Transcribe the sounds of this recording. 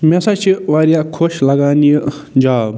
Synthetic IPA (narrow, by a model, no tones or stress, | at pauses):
mẽsat͡ʃʰiʋaːɾijakʰoʃlɐɡaːnijə | d͡ʒaːb